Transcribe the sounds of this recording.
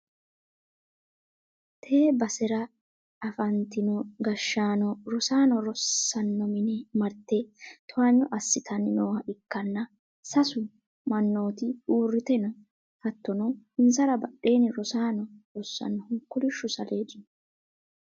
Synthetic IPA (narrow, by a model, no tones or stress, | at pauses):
t̪ʰeːbɐsɛɾɐ | ɐfɐnt̪ɪnɔɡɐʃːaːnɔɾɔsaːnɔɾɔsːɐnːɔmɪnɛmɐɾt̪ːɛt̪ʰɔwɐɲːɔʔɐsːɪt̪ʰɐnɪnoːhɐʔɪkːɐnːɐ | sɐsʊ | mɐnːo̞ːt̪ɪuːrːɪt̪ɛnɔ | hɐt̪ːɔnɔhɪnsɐɾɐbɐɗe̞ːnɪɾɔsaːnɔɾɔsːɐ̰nːɔhʊŋkːʊlɪʃːʊsɐle̞ːd͡ʒʊn